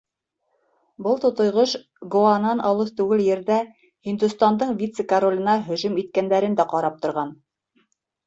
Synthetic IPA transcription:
bɤlˠt̪ŏt̪ŏjʁɤʃ | ɡoɑnɑnɑlˠɤðt̪ʉɡɘljɘ̆ɾðæ | hind̪ʉst̪ɑnd̪ɤɴvʲit̪sɘkɐɾolʲɤ̆nɑɦɵ̆ʒɵmit̪̚kænd̪æɾɘ̆nd̪æqɑɾɑp̚t̪ŏɾʁɑn

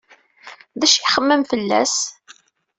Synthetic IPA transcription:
ðæʃiχəmːəmfəlːæ̰s

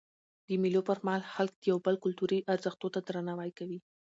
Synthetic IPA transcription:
d̪̥əmilopəɾmahɑlxalkd̪̥əjawbəlkʊlt̪uɾiʔaɾzəxt̪ot̪ad̪ɾanɑwajkawi

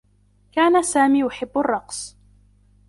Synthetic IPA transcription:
kaːnasaːmiːjʊħɪbːʊrˤːɑqs

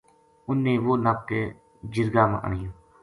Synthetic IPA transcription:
ʊnːẽːʋoːnaːp̚t̪eː | d͡ʒɪɾɡaːmã̰ʔə̰ɳɪjõː

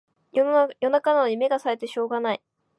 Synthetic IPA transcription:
jo̞nakananoɲ̟ime̞ɡasaɾe̞t̪e̞ɕo̞ːɡanai

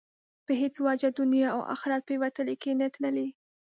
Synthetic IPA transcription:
pəɦet͡swɑd͡ʒad̪ʊnjɑa̰wʔa̰xɾɑd̪̚pewat̪əlekenat̪ləle

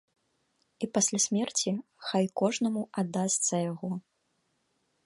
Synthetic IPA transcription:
ipasʲlʲasʲmʲɛrt͡sʲi | xajkɔʐnɐmuad̪ːast̪sɐjaɣɔ

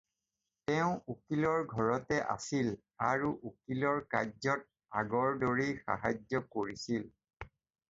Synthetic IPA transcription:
tɛʊ̃ukilɔɹɡʱɔɹɔtɛʔa̰sil | aɹuʔukilɔɹka̰zɔt̚ | aɡɔɹdoɹixa̰ɦazɔkoɹisil

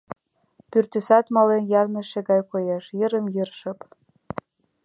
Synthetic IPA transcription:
pyrt̪ysɑt̪mɑlenjɑrnə̆ʃĕɡɑjkojeʃjəɾə̆mjərʃɤ̆p

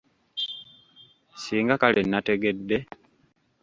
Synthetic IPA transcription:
siːŋɡakalenːate̞ɡe̞dːe̞

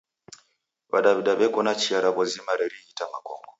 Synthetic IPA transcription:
βa̰ɗaβiɗaβɛkɔnat͡ʃiaɾaβɔzimaɾɛɾiitamakɔ̰ŋɡɔ

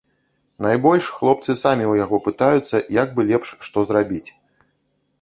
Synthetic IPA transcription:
najbɔlʲʂxlˠɔpt̪sɨsamʲiujaɣɔpɨt̪ajut̪sːɐjaɡ̚bɨlʲɛpʂːt̪ɔzrabʲit͡sʲ

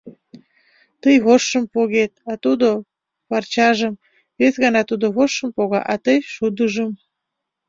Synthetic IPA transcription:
t̪əjβoʃːəmpoɣet̪̚ɑt̪ud̪o | βɑrt͡ɕɑʒəm | βesɣənɑt̪ud̪oβoʃːəmpoɣɑ̰ʔɑt̪əjʃud̪əʒəm

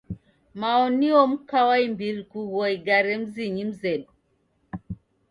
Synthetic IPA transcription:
maɔniɔm̩kawaimbiɾikuɣɔiɡaɾɛm̩ziɲim̩zɛɗu

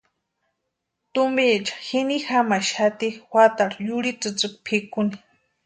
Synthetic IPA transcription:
t̪umbit͡ʃḁxinixamaʃat̪iwat̪aɽjuɽit͡sɨt͡sɨkpʰikuni̥

